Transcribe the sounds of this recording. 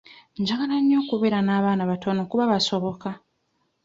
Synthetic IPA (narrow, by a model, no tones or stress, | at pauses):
ɲɟaɡalaɲːo̞ːkuβeɾanaːβaːnaβato̞no̞kuβaβasoβo̞ka